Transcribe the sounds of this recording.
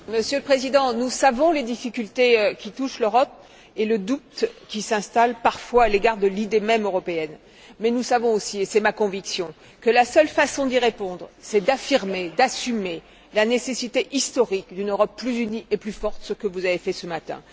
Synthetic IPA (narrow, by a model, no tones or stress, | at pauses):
məsjøləpχezid̪ɑ̃nusavɔ̃led̪ifikʲylt̪ekʲit̪uʃløʁɔp̚ | eləd̪up̚t̪kʲisɛ̃st̪alpaʁfwaːleɡaʁd̪əlid̪emɛmøʁɔpeɛn | mɛnusavɔ̃osiesɛmakɔ̃viksjɔ̃ | kəlasœlfasɔ̃d̪iʁepɔ̃d̪ʁsɛd̪afiʁmed̪asyme | lanesesit̪eʔist̪ɔʁikd̪ynøʁɔpːlyzyniʔeplyfɔʁt̪səkəvuzavefɛsəmat̪ɛ̰̃